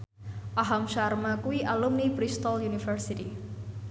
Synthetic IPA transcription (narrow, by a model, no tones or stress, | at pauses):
ʔaɦamʃarmakuwiʔalumnipɾist̪ɔljunifərsiti